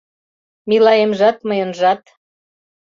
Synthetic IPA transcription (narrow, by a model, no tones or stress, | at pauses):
milɑjemʒɑt̪məjə̆nʒɑt̪